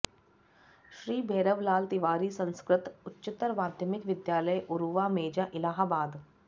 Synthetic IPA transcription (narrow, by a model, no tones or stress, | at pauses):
ʃɾiːbʱeːɾəʋlaːlt̪ɪʋaːɾiːsə̃nskɾɪt̪ʊtːʃɪt̪ːəɾʋaːd̪ʱjəmɪkʋɪd̪jaːləjʔʊɾuʋaːmeːd͡ʒaʔɪlaːɦabaːd̪